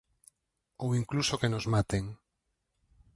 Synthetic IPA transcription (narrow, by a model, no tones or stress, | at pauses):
owiŋklusokenozmat̪eŋ